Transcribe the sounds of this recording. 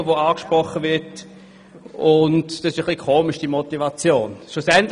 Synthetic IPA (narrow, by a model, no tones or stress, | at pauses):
əʋoaːkʃpʁɔχəvɪɐt | ʊntd̥ɑsɪʃəχlikʰoːmɪʃd̥imotivɑt͡sjoːnʃlʊsɛnt